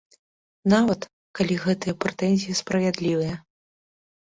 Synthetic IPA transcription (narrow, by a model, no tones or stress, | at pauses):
navɐt̪ | kalʲiɣɛt̪ɨjɐpɾɛt̪ɛnʲzʲijɐspɾɐvʲad̪lʲivɨjɐ